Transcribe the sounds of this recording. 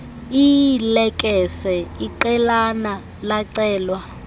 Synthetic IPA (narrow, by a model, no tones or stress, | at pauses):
ilɛkʼɛsɛiǃɛlana | laǀɛːlwa